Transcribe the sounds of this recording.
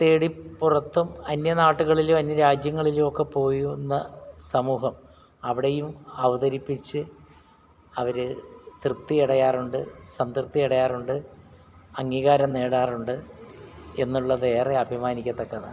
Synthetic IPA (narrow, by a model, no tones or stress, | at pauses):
t̪e̞ːɽipːurɐt̪ːumɐnjɐnaːʈːuɣɐɭilumɐnːjɐɾaːd͡ʑjɐŋːɐɭilumo̞kːepo̞ːjunːɐsɐmuːɦɐm | ɐʋiɽejumɐʋɐðɐɾipːit͡ɕːɨ | ɐʋɐɾɨt̪rɨt̪ːijiɽɐjaːruɳɖɨsɐnt̪rɨp̚t̪ːijiɽɐjaːruɳɖɨ | ɐŋːiːɣaːɾɐmneːɽaːruɳɖɨ | e̞nːuɭːɐðe̞ːreɐbʱimaːnikʲːɐt̪ːɐkːɐnːɐ̰